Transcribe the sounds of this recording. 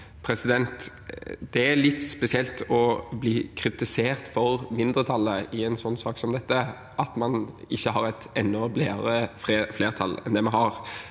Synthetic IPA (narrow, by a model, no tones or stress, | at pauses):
pʰɾɛsɪd̪ɛnt̪ | d̪̥ɛæɾlɪt̪ːspɛsɪɛlt̪ʰɔbliːkʰɾɪt̪ɪseːɾt̪fɔɾmɪnd̪ɾət̪ʰɑlːəɪɛnsɔnːsɑːksɔmd̪ɛt̪ːə | ʔɑt̪mɑnɪçːəɦɑɾæɪt̪ɛnːɔbleːəɾəfefleːʁt̪ʰɑlɛ̰nd̪ɛmɛhɑʁ